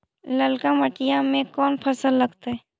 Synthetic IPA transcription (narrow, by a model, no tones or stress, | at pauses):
ləlkaməʈijãmẽkɔːnpʰɐsəlːəɡt̪aɦɛː